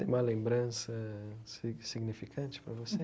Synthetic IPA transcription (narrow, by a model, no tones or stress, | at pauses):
ḛ̃umɐlẽmbɾɐ̃sɐssiɡnifikʰɐ̃nt͡ʃɪ̥pɾɐvose